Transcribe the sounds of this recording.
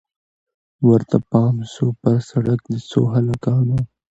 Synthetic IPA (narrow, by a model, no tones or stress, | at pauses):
wəɾt̪apɑːmsopəɾsaɽakd̪əso̰ɦalakɑːno